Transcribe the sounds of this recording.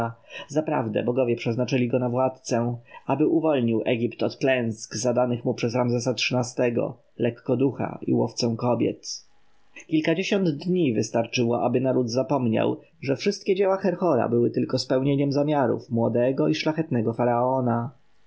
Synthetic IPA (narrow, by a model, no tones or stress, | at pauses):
zapɾa̰vd̪ɛ̰bɔɡɔvʲjɛpʂɛznat͡ʂɘlʲiɡɔnavwat̪t̪sɛabɘʔuvɔlɲiwʔɛɡʲipt̪ɔt̪klɛ̃w̃skzad̪anɘxmupʂɛzɾamzɛsatʂɘnast̪ɛɡɔ̰ | lɛkːɔd̪uxa̰ḭwɔft̪sɛ̃w̃kɔbʲjɛ̰t̪ | kʲilkad͡ʑeɕɔnd̪d̪ɲivɘst̪aɾt͡ʂɘwɔʔabɘnaɾud̪zapɔmɲa̰w | ʐɛfʂɘst̪̚kʲɛd͡ʑɛwaxɛɾxɔɾa̰bɘwɘt̪ɘlkɔspɛwɲeɲɛmzamʲjaɾṵfmwɔd̪ɛɡɔiʂlaxɛt̪nɛɡɔfaɾaɔna